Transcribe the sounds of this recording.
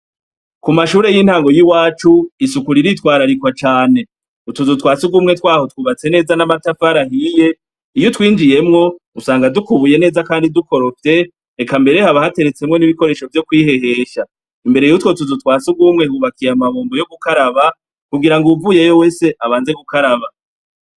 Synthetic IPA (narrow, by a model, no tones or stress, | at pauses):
kumaʃuːɾe̞jin̥haːŋɡo̞jiwaːt͡ʃuisukuɾiɾitwaːɾaɾikwat͡ʃaːne̞ | utuzutwaːt͡suɡumŋe̞twaːho̞twuːβat͡se̞ne̞ːzanamatafaɾahije̞ | ijotwiːnd͡ʒije̞mŋo̞ | usaːŋɡadukuβuje̞ne̞ːzakaːndiduko̞ɾo̞fte̞ | ekambe̞ɾe̞haβahate̞ɾet͡se̞mŋo̞niβiko̞ɾe̞ːʃo̞vjo̞kwiːhe̞he̞ːʃa | imbe̞ɾejutwo̞tuzutwaːsuɡwumŋetɡuβakijamaβoːmbojoɡukaɾaβa | kuɡiɾaŋɡuvuːje̞jo̞we̞ːse̞ʔaβaːnze̞ɡukaɾaβa